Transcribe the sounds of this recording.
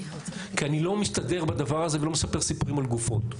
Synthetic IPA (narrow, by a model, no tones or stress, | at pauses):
kianilo̞mist̪ad̪e̞ʁbad̪avaʁaze̞velo̞mesape̞ʁsipuʁimalɡufo̞t